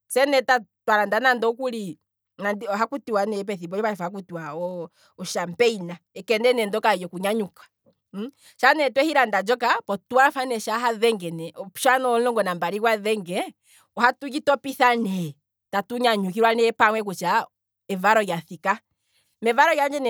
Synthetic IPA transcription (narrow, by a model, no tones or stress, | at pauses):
sɛnɛtatwaɾandanandɔkuli | nandɔɦakutiwanɛp̬ɛθibɔɛpaɛfahak̬utiwaɔ | ɔʃampɛinaɛkɛndɛnɛndɔkajɔkuɲaɲukḁ | ʃanɛtwɛhiɾandad͡ʒɔkapɔtuwafanɛʃaɦaðɛŋɡɛnɛɔpʃanɔɔŋɡɔnambaɾiɡwaðɛŋɡɛ | ɔhatuɡitɔpiθanɛ | tatuɲaɲukiɾwanɛpaŋwɛk̬ut͡ʃa | mɛvaɾɔjaθika | mɛvaɾɔjaɲd͡ʒɛnɛ